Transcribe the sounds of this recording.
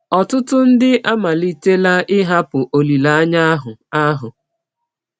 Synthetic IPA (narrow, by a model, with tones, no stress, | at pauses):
ɔ˨tʊ˦tʊ˦n̩˦dɪ˦ʔa˦ma˨li˦te˦la˦ʔɪ˦ɦa˦pʊ˨ʔo˨li˨la˨a˦ɲa˦ɦʊ˨a˦ɦʊ˨